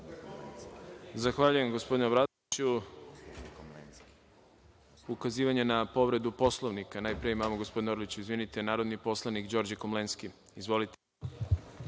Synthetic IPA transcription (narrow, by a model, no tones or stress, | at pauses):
zaxʋaʎuje̞mɡospo̞d̪inebɾad̪oiu | ukaziːʋaɲe̞napo̞ʋɾe̞d̪upo̞slˠo̞ʋnikanaːjpɾijeimamoɡospo̞d̪ineoɾlit͡ɕuizʋinit̪enaːɾo̞d̪nipo̞slˠanikd͡ʑo̞ɾd͡ʑekomlenski | izʋo̞lit̪e